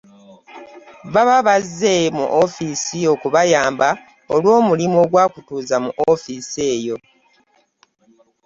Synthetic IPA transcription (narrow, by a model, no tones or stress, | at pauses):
βaβaβazːemṵʔofisio̞kuβajaːmba | olwo̞ːmulimo̞ɡwaːkutuːzamṵʔofise̞ːjo̞